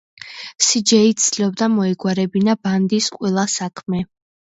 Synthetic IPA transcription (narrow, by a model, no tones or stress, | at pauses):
sid͡ʒɛit̪sliɔb̚d̪amɔɛɡwaɾɛbinaband̪isqʼwɛlˠasakʰmɛ